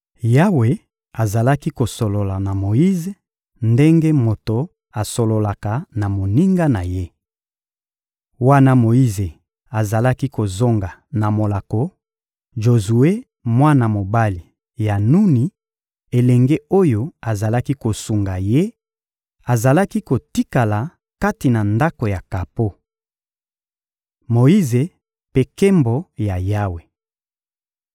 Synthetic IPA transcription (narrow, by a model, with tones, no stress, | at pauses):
ja˦we˨ | a˨za˨la˦ki˦ko˨so˨lo˨la˨na˨mo˨ji˦ze˨ | nde˦ŋɡe˦mo˨to˨ | a˨so˨lo˨la˨ka˨na˨mo˨ni˦ŋɡa˦na˨je˦ | wa˦na˦mo˨i˦ze˨ | a˨za˨la˦ki˦ko˨zo˦ŋɡa˨na˨mo˨la˨ko˦ | ʒo˨zu˨e˦ | mwa˦na˨mo˨ba˦li˨ | ja˨nu˦ni˨ | e˨lɛ˨ŋɡe˦o˦jo˦a˨za˨la˦ki˦ko˨su˨ŋɡa˨je˦ | a˨za˨la˦ki˦ko˨ti˦ka˨la˨ | ka˦ti˨na˨nda˦ko˨ja˨ka˨po˦ | mo˨i˦ze˨ | pe˦ke˦mbo˨ja˨ja˦we˨